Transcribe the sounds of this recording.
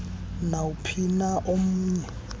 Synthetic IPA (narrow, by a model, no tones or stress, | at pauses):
naupʰinaʔom̩ːɲɛ